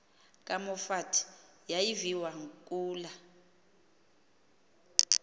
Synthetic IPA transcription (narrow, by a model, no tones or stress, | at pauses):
kʼamɔfatʰ | jajiviwaŋkʼuːla